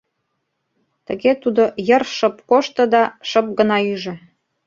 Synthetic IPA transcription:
t̪ə̆ɣet̪ud̪ojə̆rʃɤ̆pkoʃt̪ɤ̆d̪ɑʃɤ̆p̚ɡə̆nɑyʒĕ

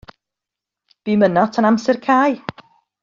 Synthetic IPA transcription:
b̥imənɔtʰənamsɛrkʰaːj

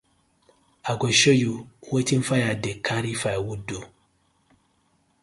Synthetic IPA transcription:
aɡoʃojuwetinfajadekʰaɾifajwudo

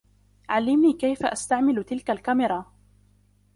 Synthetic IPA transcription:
ʕalːɪmniːkajfaʔast̪aʕmɪlt̪ɪlkalkamɪɾˤɑ

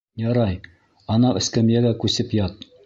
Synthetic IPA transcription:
jɑɾɑj | ɒnɑʔɘ̰̆skæmjæɡækʉsɘpjɑt̪̚

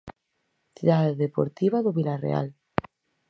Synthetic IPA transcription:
θiðaðeðepo̰ɾt̪iβaðoβilarḛa̰l

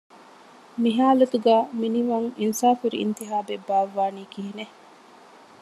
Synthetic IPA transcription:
miɦaːlɐt̪uɡæːminiʋɐŋinsaːfuɾḭḭnt̪iɦaːbebːaːʋːaːniːkiɦine

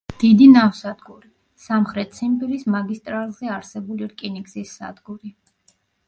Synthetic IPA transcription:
d̪̥id̪inafsad̪ɡuɾi | samχɾɛt̪t̪sʰimpiɾismaɡist̪ʼɾalˠzɛaɾsɛbuliɾkʼiniksisːa̰d̪ɡuɾi

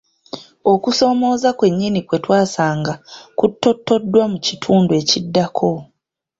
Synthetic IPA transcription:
o̞kuso̞mo̞ːzakwe̞ɲːinikwe̞twaːsaːŋɡakutːo̞tːo̞dːwamucitʰuːndue̞ːcidːakʰo̞

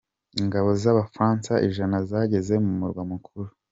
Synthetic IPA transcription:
iŋɡaβo̞zaβafɾaːnsaʔiʒanazaɟe̞ze̞mumuɾɡwamukʰuɾu

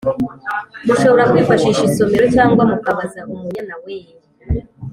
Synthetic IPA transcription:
muʃo̞βoɾakwiːfaʃiːʃiso̞miɾocaːŋɡwamukaβazaʔumuɲanaweː

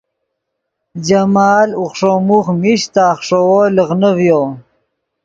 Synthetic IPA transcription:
d͡ʑamaːluχʂomuχmiɕt̪aːχʂowoləɣnəvjo

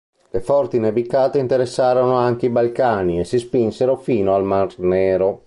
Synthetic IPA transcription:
lefɔrt̪inavikaːt̪eint̪eɾesːaːɾonoaŋk̟eibalkaːniesːispinseɾofiːnoalmarnɛːɾo

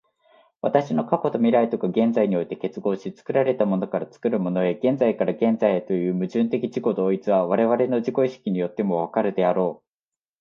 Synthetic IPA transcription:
βat̪aɕino̞kako̞t̪o̞mʲiɾait̪o̞kaɡẽ̞nd͡zaiɲ̟io̞it̪e̞ke̞t͡sɨɡo̞ːɕit͡sɨ̥kɯ̟ɾaɾe̞t̪amo̞no̞kaɾat͡sɨ̥kɯ̟ɾɯ̟mo̞no̞e̞ɡẽ̞nd͡zaikaɾaɡẽ̞nd͡zaiet̪o̞jɯ̟ːmɯ̟ʑɨ̃nt̪e̞kʲid͡ʑiɡo̞d̪o̞ːit͡sɨβaβaɾe̞β̞aɾe̞no̞ʑiko̞iɕi̥kʲiɲ̟ijo̞t̪ːe̞mo̞β̞akaɾɯ̟d̪e̞aɾo̞ː

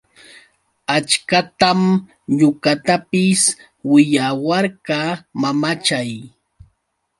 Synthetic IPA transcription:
at͡ʃkat̪am | ʎʊkat̪apɪs | wɪʎawaɾɢamamat͡ʃaj

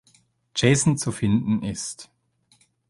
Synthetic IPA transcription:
d̥d͡ʒ̥eːsn̩t͡sufɪndn̩ʔɪst

